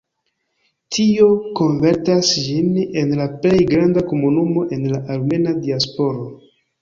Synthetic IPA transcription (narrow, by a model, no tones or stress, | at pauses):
tʰio̞ko̞nve̞ɾtasd͡ʒine̞nlaple̞jɡɾandako̞munumo̞ʔe̞nlaʔalme̞nadiaspo̞ɾo̞